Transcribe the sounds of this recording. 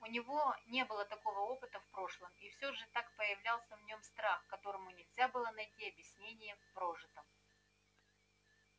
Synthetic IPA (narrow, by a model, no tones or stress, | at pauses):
ʊnʲɪvo̞nʲe̞bɨlˠət̪ɐko̞vəo̞pɨt̪əfpɾo̞ʂlˠəmifsʲoʐɨt̪akpəjɪvlʲalˠsʲəvnʲo̞mst̪ɾaxkɐt̪o̞ɾəmʊnʲɪlʲzʲabɨlˠənɐjtʲiɐbʲjɪsʲnʲenʲɪjəfpɾo̞ʐɨt̪əm